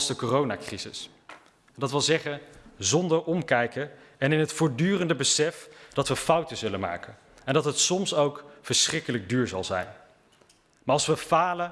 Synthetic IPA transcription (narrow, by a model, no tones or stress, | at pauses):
sdəkorownaːkrizɪ̰s | dɑtʋɪlˠzɛχənzɔndəɹʔɔmkɛjkə | ɛnɪnɦətfʊːɹdyːrəndəbəsɛfd̥ɑtʋəfʌwtəzɵlənma̰ːkən | ɛndɑtɦətsɔmsowkfəɹsχrɪkələɡ̚dyːɹzɑ̰lˠzɛ̰jn | maːɹɑlˠsʋəfaːlə